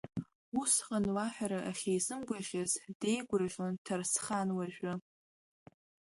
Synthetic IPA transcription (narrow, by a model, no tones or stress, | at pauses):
usqʼənwaħʷᶣaɾaʔaχʲejsɨmɡʷaʃazd̥e̞jɡʷʊrɨʒʼantʰarsχanwaʒᶣʷa